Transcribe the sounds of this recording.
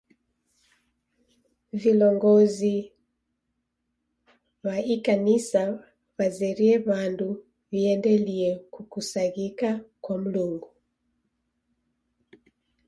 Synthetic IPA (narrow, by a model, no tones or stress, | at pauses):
vilɔŋɡɔzi | waikanisa | βazɛɾiɛβandu | viɛndɛliɛkukusaɣikakwam̩luŋɡu